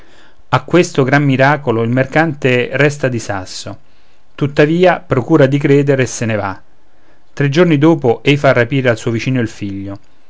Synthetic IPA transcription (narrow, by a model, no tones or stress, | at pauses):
akːwest̪oɡɾamːiɾaːkoloilmerkant̪erɛst̪ad̪isa̰sːo | t̪ut̪ːaviːapɾokuːɾad̪ikɾeːd̪eɾeːsːeneva | t̪ːɾed͡ʒːornid̪oːpoʔɛjfarːapiːɾealsuːovit͡ʃiːnoilfiʎːo